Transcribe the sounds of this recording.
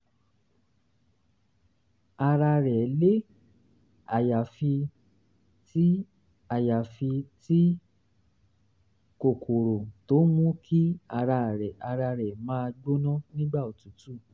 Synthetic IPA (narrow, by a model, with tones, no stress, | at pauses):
a˧ɾa˧ɾɛ˨˦le˦ | a˨ja˨fi˧ | ti˦ | a˨ja˨fi˧ti˦ | ko˨kʰo˨ɾo˨to˨˦mũ˦kʰi˦a˧ɾa˧˨ɾɛ˨ʔa˧ɾa˧ɾɛ˨mãː˨˦˧ɡ͡bo˦nɔ̃˦nĩ˦ɡ͡ba˦˨o˨tu˨˦tu˦˨